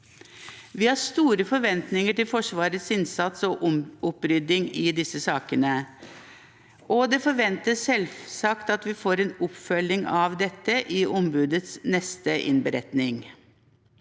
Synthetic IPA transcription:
ʋiːhɑːɾst̪uːɾəfɔɾʋɛnt̪nɪŋəʈɪlfɔʂʋɑːɾət̪sɪnsɑt̪sɔʔʊmʊpɾʏd̪ɪŋɪd̪ɪsəsɑːkənə | ʔɔd̪ɛfɔɾʋɛnt̪əsɛlsɑkt̪ɑt̪ʋɪfoːɾɛːnʊpfœlɪŋɑʋd̪ɛt̪ːəʔɪʔɔmbʉːd̪ət̪snɛst̪əʔɪ̰nbəɾɛt̪nɪŋ

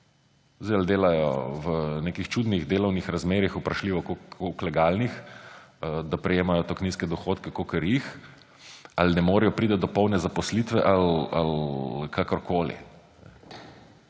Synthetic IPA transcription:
zd̪ɛɪald̪eːlajɔ̰ʋəneːkixt͡ʃuːd̪niɣd̪eːlɔwnixɾazmeːɾixupɾɐʃliːʋɔkooklɛɡaːlnix | d̪apɾɛjeːmajɔt̪ɔkniːskɛd̪ɔxoːt̪kɛkokəɾjix | alinɛmoːɾɛjɔpɾiːd̪ɐt̪̚d̪ɔpɔwnɛzapɔslit̪ʋɛʔala̰lkʰakɔɾkʰoːlḭ | ɛ

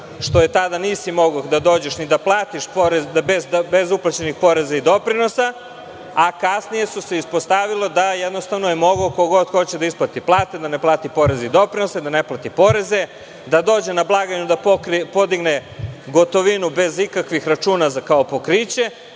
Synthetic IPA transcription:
ʃt̪o̞je̞t̪ad̪anisimo̞ɡod̪ad̪o̞ːd͡ʑe̞ʃnid̪aplˠaːt̪iʃpoɾebezbe̞zuplˠat͡ɕe̞nixpo̞ɾe̞zaid̪o̞pɾino̞sa | akasnije̞suseispo̞st̪aʋilo̞d̪ajed̪nost̪aʋnoje̞mo̞ɡlokoɡo̞d̪xo̞t͡ɕed̪aisplˠat̪iplˠaːt̪e̞d̪aneplˠaːt̪ipo̞ɾe̞zeid̪o̞pɾino̞sad̪ane̞plˠat̪ipo̞ɾe̞ze̞ | d̪ad̪o̞ːd͡ʑe̞nablˠaːɡaɲud̪apokɾipo̞d̪iɡneɡo̞t̪o̞ʋinube̞zikakʋixɾat͡ʃuːnazakaopo̞kɾit͡ɕe̞

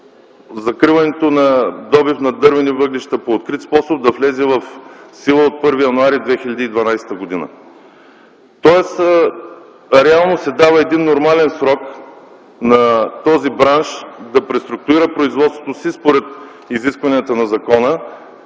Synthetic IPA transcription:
zɐkɾivɐnɛt̪onɐd̪ɔbifnɐd̪ɤɾvɛnivɤɡliʃt̪ɐpoːt̪̚kɾit̪spɔsob̚d̪ɐflɛzɛvɐfsilˠəot̪̚pɤɾvijɐnuaɾid̪vɛxilʲɐd̪iːd̪vɐnajsɛ̥t̪əɡod̪inə̰ | t̪ɔɛs | ɾɛalˠnosɛd̪avəɛd̪inːoɾmalɛnsɾɔk | nɐt̪ɔzibɾanʃd̪ɐpɾɛst̪ɾʊk̚t̪ʊɾiɾəpɾoizvɔt̪st̪vot̪osispoɾɛt̪ | iziskvɐniɐt̪ənɐzɐkɔnə

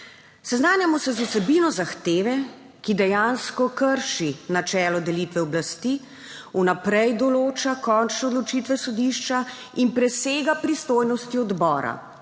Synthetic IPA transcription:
sɛznaːnjamɔsɛzauwsɛbinɔzaxt̪eːʋɛ | kid̪ɛjanskɔkəɾʃinat͡ʃɛːlɔd̪ɛlit̪ʋɛɔblast̪i | unapɾɛjd̪ɔloːt͡ʃakɔnt͡ʃnɛod̪lɔt͡ʃit̪ʋɛsɔd̪iʃt͡ʃa | inpɾɛseːɡapɾist̪oːjnɔst̪iɔd̪bɔːɾa̰

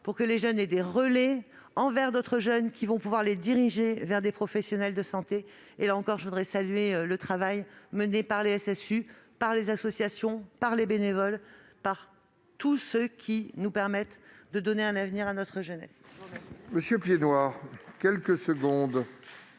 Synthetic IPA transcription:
puʁkəleʒœned̪eʁəle | ɑ̃vɛʁd̪ot̪χəʒœnkʲʰivɔ̃puvwaʁled̪iʁiʒevɛʁd̪epχɔfɛsjɔnɛld̪əsɑ̃t̪e | elaɑ̃kɔʁʒəvud̪ʁɛsalyɥeølət̪χavajmənepaʁleɛsɛsypaʁlezasɔsjasjɔ̃paʁlebenevɔlpaʁ | t̪usəkʲʰinupɛʁmɛt̪d̪əd̪ɔneɛ̃navniʁanɔt̪χəʒənɛ̰s | məsjøpjenwaʁkʲɛlkəsəɡɔ̃d̪

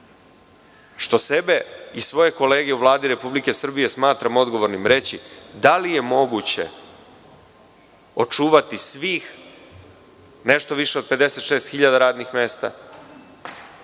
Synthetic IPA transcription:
ʃt̪o̞se̞be̞isʋo̞je̞ko̞leːɡe̞uʋlˠaːd̪iɾe̞publike̞sr̩bije̞smaːt̪ɾamo̞d̪ɡo̞ʋo̞ɾnimɾe̞t͡ɕid̪alije̞mo̞ɡut͡ɕe̞̰ | ot͡ʂuːʋat̪isʋiːx | ne̞ʃt̪o̞ʋiʃeo̞d̪̚pe̞d̪e̞se̞t̪ʃeːst̪xiʎad̪aɾaːd̪nixme̞ːst̪a̰

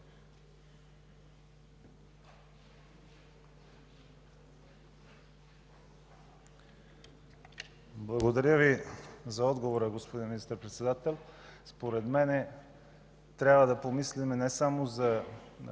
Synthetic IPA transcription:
blˠɐɡod̪ɐɾʲəvizɐɔd̪ɡovoɾəɡospod̪inminist̪əɾpɾɛt̪sɛd̪at̪ɛlˠspoɾɛd̪mɛnɛ | t̪ɾʲabvəd̪ɐpomislimɛnɛsamozɐ

